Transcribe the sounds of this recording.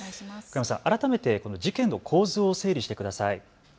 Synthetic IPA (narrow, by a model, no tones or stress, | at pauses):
kaimasã̰ʔaɾat̪ame̞t̪e̞ko̞no̞d͡ʑikẽ̞nːo̞kʰo̞ːzɨose̞ːɾʲiɕi̥t̪e̞kɯd̪asai